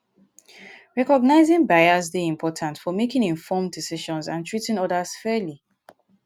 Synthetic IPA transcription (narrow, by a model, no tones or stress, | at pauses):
ɹɛkɔɡ̚naɪzɪ̃ŋbajazdeĩmpʰɔtʰãntfɔmekɪ̃ŋĩnfɔmdisiʃɔ̃nzãntʰɹitɪ̃ŋɔdəz̥fɛli